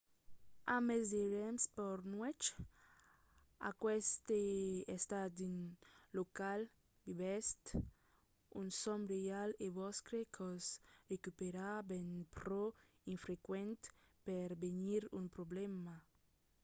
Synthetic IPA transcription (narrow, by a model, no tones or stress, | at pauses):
amezeɾɛmspɔɾnwɛt͡ʃ | a̰kwɛst̪eest̪ad̪inlokal | b̪iβɛst̪ | ṵnsɔmbɾejaleβɔskɾekʰɔzrekypeɾabɛnpɾɔ | infɾekwɛnt̪peɾbeniɾumpɾoblɛma